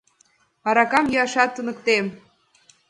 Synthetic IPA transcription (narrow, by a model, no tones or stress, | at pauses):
ɑɾɑkɑmjyɑʃɑt̪ːənə̆kt̪em